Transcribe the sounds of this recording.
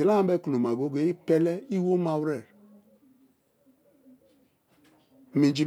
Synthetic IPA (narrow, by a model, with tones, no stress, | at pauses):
i˨la˦a˨˦be˦ku˨lo˨ma˨ɡo˦ɡe˨˦i˦pe˦le˦i˦wo˦ma˨wɾe˦˨ɾ | mi˨d͡ʒi˨